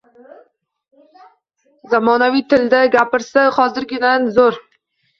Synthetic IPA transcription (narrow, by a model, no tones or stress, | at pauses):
zamɒnavijt̪ʰɪld̪aɡʲapɪɾsaχɒzɪɾɡʲɪnanzoɾ